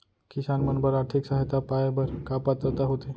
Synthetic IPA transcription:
kisanmənbəɾaɾʈ̪ʰiːksaɦet̪apajbəɾkapat̪ɾət̪aɦot̪e

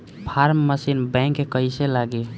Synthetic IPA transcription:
pʰaɾmːəsinbɛ̃ŋkːekəjselaɡe

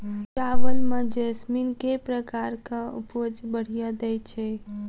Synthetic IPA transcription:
t͡ʃaʋəlmẽd͡ʒesminkepɾəkaɾkãṵpod͡ʒbəɽ̤ijad̪ɛjt͡ʃʰɛ

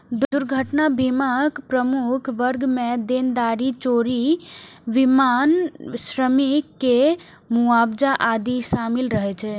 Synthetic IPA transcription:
d̪d̪uɾɡʱəʈnabimakpɾəmukʰʋəɾɡmed̪end̪aɾit͡ʃoɾiʋimansɾəmikːe | muabd͡ʒaʔad̪iʃamilɾəɦɛt͡ʃʰɛ

